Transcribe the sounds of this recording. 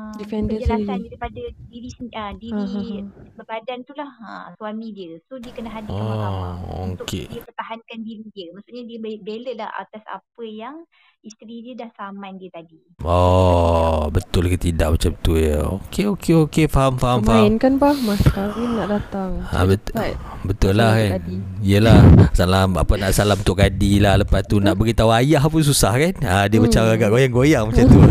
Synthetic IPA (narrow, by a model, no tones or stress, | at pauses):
difɛndənsasandaɾipadədiɾisədiɾaĩɦbəbadant̪ulahə̰suamĩdiəsodiəkənəɦadiɔao̰t̪ʊkḛdiəpərt̪aɦankandiɾidiəmasuʔɲadiəbebeləla̰ha̰t̪asa̰pəjaŋ | ist̪ɾidiədahsamandiət̪adi | ɔ | bət̪ʊlkət̪idaʔ̚mat͡ʃamt̪ujə̰okeokeokefaɦamfaɦammfaainkanpahmaskaɾinaʔdat̪aŋa̰bə | bət̪ʊlːahkanijəlahsalama̰pənaʔsalamunt̪ʊʔkadilahləpast̪unaʔbəɾit̪auajaɦpʊns̬usahkanadiəmat͡ʃamaɡaʔɡojaŋɡojaŋmat͡ʃamt̪u